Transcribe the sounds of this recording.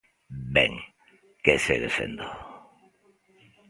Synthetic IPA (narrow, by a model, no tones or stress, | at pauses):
bɛ̰ŋ | kesḛðefḛnd̪o